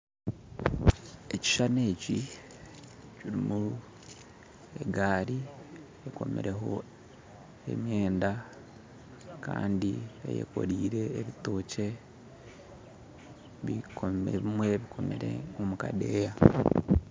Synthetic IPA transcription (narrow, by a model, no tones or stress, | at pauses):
e̞ci̥ʃane̞ːci | ciɾimu | e̞ɡaːɾi | eko̞̰mḛɾeɦo̞̰ | e̞̰mje̞ːnda | ka̰ːndiḛjḛko̞̰ɾiːɾe̞ːβito̞ːce̞ | βikomḛβimwe̞βikʰo̞mḛɾḛomuka̰deːja